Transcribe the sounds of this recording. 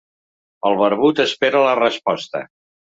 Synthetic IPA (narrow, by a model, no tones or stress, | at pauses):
əlˠβəɾβut̪əspeɾələrəspɔst̪ə̰